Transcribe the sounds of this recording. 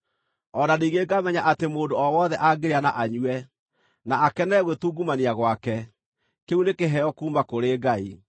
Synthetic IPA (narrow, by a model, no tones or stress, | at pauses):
ɔdaniɣeɡamɛɲaʔatemoːndoɔwɔðɛʔaɡeɾeanaʔaɲwɛ | naakɛnɛɣwetuːɡumaniaɣwakɛ | keunekeɦɛɔkuːmakoɾeːɡai